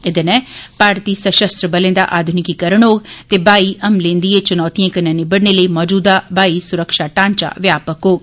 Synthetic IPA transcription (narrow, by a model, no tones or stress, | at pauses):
ɪd̪enɛ̃ːpaːɾt̪iːsəʃəst̪ɾəbəlẽːd̪a̰ːʔaːd̪ʱʊnɪkikəɾəɳɦoːɡt̪eːbaːiːʔəmlẽːnd̪ieːt͡ʃənɔːt̪ijãːkənãːneːbəɽneːləiːmɔːd͡ʒuːd̪aːbaːiːsʊɾəkʃaːʈãːɲt͡ʃa̰ːʋjaːpəkɦoːɡ